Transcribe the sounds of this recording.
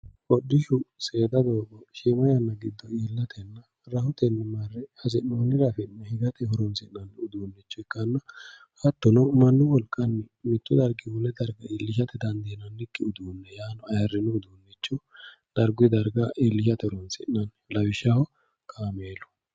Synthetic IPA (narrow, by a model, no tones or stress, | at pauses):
ɔdːɪʃʊsʼe̞ːd̪ɐd̪oːɡɔʃimɐjɐnːɐɡɪd̪ːɔiːlːɐt̪ʰɛnːɐ | ɾɐhʊt̪ɛnːɪmɐrːɛhɐzɛnoːnɪɾɐfɛnːɛhɪɡɐt̪ɛɦʊɾɔnsɪnnɐnʊd̪uːnːɛt͡ʃːɔɛkːɐnːɐ | hɐt̪ːɔnɔmɐnːʊwɔlkʼːɐnːmɪt̪ːʊd̪ɐɾɡɪwʊlːɛd̪ɐɾɡɐɪlːɪʃɐt̪ɛd̪ɐnd̪eːnɐnːɪkʼːɪʊd̪uːnːɛjaːnɔɐjɐrːɪnʊʊd̪uːnːɛt͡ʃːɔ | d̪̥ɐɾɡʊd̪ɐɾɡɐʔɪlːɪʃɐt̪ɛhʊɾɔnsɪ̰nːɐn | lɐwɪʃɐhɔ | kʰʼaːmeːlɔ̥